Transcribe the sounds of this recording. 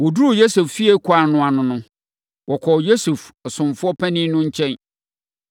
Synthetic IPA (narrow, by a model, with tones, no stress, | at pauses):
wɔ˨du˦ɾu˨jo˦se˨ffi˦e˦kʰʊ˨a˨nʊ̃˦˨a˨nʊ̃˦nʊ̃˦ | wʔɔ˨kʰɔ˨jo˦su˨fɔ˨sʊ̃˨mfʊ˦ɔ˦pʰæ̃˦nĩ˦nʊ̃˦ɲ̩˦t͡ɕʰɛ̃˦n